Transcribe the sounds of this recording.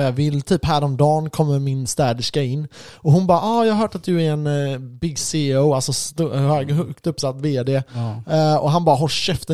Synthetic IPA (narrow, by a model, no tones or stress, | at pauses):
jɑvɪlːt̪ʰyːpɦæːɾɔmd̪ɑːnkʰɔmːəɾmɪnst̪æːd̪ɪʂkaɪnːɔɦʊnbɑːɾʔɑːjɑːhaɦœːʈat̪̚d̪ɵæɾɛnbɪɡːseːoʊalsɔst̪uhœːɡɦɵkt̪ɵpːsat̪ːveːd̪eː | ɔɦanbɑːɾaɦɔʃɛft̪ə